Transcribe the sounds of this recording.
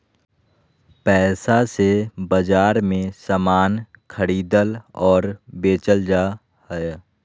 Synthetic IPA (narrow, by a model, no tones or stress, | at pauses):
pɛːsasebəd͡ʒaːɾmẽsamaːnkʰəɽiːd̪əlɔːɾbeːt͡ʃəld͡ʒa | hə